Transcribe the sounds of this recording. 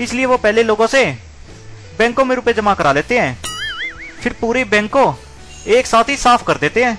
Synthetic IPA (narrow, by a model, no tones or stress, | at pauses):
ɪslɪeːʋoːpɛːleloːɡõːseː | bɛ̃ːŋkõːmẽɾʊːped͡ʒəmaːkəɾaːleːt̪eɦɛ̃ː | pʰɪɾpuːɾebɛ̃ːŋkõː | eːksaːt̪ɦiːsaːpʰkəɾd̪eːt̪eɦɛ̃ː